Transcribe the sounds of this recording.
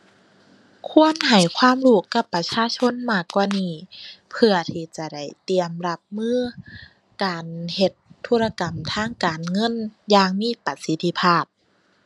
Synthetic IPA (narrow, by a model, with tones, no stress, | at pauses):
kʰu˧˥˨ənɦa˨˩jkʰwaː˧˥˨mluː˧˩kːa˧˩pːa˧t͡ɕʰaː˧˨t͡ɕʰo˧˥˨nmaː˧˩kːwaː˧˨niː˧˩pʰɯ˧ɐt̪ʰiː˧˩t͡ɕa˧˩da˧˩jt̪i˨əmla˧p̚mɯː˧˥˨ | kaː˨nhe˧t̪ʰːuː˧˥˨ɾa˧ka˨˩mt̪ʰaː˧˥˨ŋkaː˨˩nŋɤ˧˥˨njaː˧ŋmiː˧˥˨pa˧˩si˧˦t̪ʰːi˧˥pʰaː˧˩p̚